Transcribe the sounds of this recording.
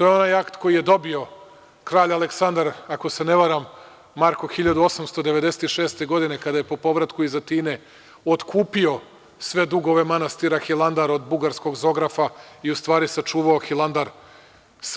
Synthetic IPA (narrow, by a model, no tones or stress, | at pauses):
t̪oːjeo̞naːjakt̪ko̞jije̞d̪o̞bio̞ | kɾaːʎaleksand̪aɾako̞seneʋaɾamː | aɾkoxiʎad̪uo̞samst̪od̪e̞ʋed̪e̞set̪iʃeːst̪e̞ɡo̞d̪ine̞kad̪aje̞po̞po̞ʋɾat̪kuizat̪iːne̞ | ot̪kʰuːpio̞ | sʋe̞d̪uɡo̞ʋe̞manast̪iɾaxilˠand̪aɾod̪buɡaɾsko̞ɡzo̞ɡɾafaiust̪ʋaːɾisat͡ʂuːʋaoxilˠand̪aɾ | s